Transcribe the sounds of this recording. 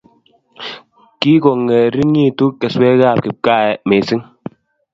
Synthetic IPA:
ki˦kɔ˨ŋɛ˨ɾi˦ɲi˦˨tu˦kɛ˨swɛ˦ɣa˦˨p̚ki˨p̚ka˦˨ɛ˨me˨si˦ŋ

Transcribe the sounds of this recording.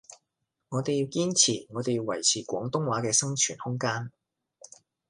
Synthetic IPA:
ŋɔː˨˧t̪e˨ji˧wkiː˥nt͡sʰiː˨˩ŋɔː˨˧t̪e˨jwɐ˨˩jt͡sʰiː˨˩kʷɔː˨˥ŋt̪ʊ˥ŋwaː˨˥kɛː˧sɐ˥ŋt͡ʃʰyː˨˩nhʊ˥ŋkaː˥n

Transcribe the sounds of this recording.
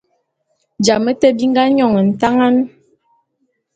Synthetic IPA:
d͡ʒa˨mə˦tə˦bi˦ŋ˦ɡa˦ɲɔ˨ŋə˨n̩˨ta˦ŋa˦n

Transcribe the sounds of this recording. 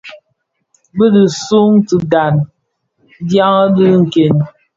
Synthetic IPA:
bə˦di˨su˦ŋti˨da˨n | dja˦ŋə˦dɨ˦ŋ̩˨ke˨n

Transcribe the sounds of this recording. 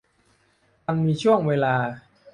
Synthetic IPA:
a˧ŋmiː˧t͡ɕʰu˥˩əŋweː˧laː˧

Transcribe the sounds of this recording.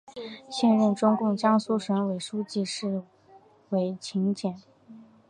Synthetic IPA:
ɕjɛ˥˧nɻə˥˩nʈ͡ʂʊ˥ŋkʊ˥˩ŋt͡ɕjɑ˥ŋsu˥ʂə˧˥nwe˨˩ɪʂu˥t͡ɕi˥˧ʂɻ̩˥˩ | we˧˥ɪt͡ɕʰi˧˥ŋt͡ɕjɛ˨˩˦n

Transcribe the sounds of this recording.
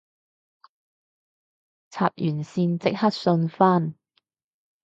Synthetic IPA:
t͡sʰa̰ː˧˩p̚jyː˨˩nsiː˧nt͡sɪ˥k̚hɐ˦˥t̚sɵ˧nfaː˥n

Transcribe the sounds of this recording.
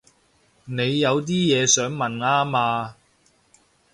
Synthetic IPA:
ne˨˧jːɐ˨˧wt̪̬iː˥jɛː˨˧sœː˨˥ŋmɐ˨naː˥maː˧

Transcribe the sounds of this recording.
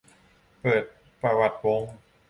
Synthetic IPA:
pɤː˨˩t̪̚ | pɾa˧wa˨˩t̪̚wo˧ŋ

